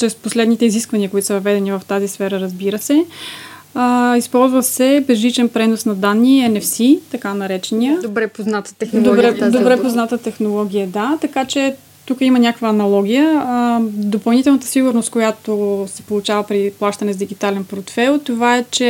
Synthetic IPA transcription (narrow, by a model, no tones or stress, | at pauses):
t͡ʃɾɛsposlɛd̪nit̪ɛiziskvɐniəkoit̪o̥səvɐvɛd̪ɛnivəft̪azisfɛɾəɾɐəzbiɾəsɛ | əispɔlˠzvəsɛbɛzlit͡ʃɛnpɾɛnosnɐd̪anːiɛnɛfsit̪ɐkanɐɾɛt͡ʃɛnijədbɾɛpoznat̪ə̥t̪ɛxd̪obɾɛd̪obɾɛpoznat̪ət̪ɛxnolˠɔɡ̟ʲijəd̪at̪ɐkat͡ʃɛ | t̪ukəimənʲakəkvəːnɐlˠɔɡ̟ʲijə | d̪opɐlˠnit̪ɛlˠnət̪ə̥siɡʊɾnost̪̚kojat̪osɛ̥polˠʊt͡ʃavəpɾiplˠaʃt̪ɐnɛzd̪iɡit̪alɛnpɾot̪fɛlˠt̪ovaɛt͡ʃɛ